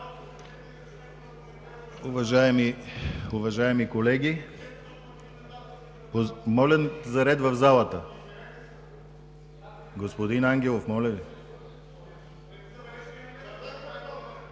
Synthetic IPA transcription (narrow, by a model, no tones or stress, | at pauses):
uvɐʒaɛmiuvɐʒaɛmikolɛɡʲi | pomɔlʲɛzɐɾɛd̪vɐvzalˠət̪ə | ɡospod̪inaŋɡʲɛlˠofmɔlʲɛvi